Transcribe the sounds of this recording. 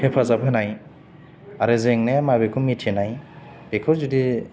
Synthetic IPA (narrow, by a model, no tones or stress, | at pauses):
hepʰazabʰɯnaj | aɾɯzeŋnemabekʰumitʰenaj | b̥ekʰɯzudi